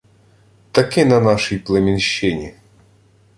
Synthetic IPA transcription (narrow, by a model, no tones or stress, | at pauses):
t̪ɐkʲinɐnaʂɨjplˠɐmʲɪnɕːenʲɪ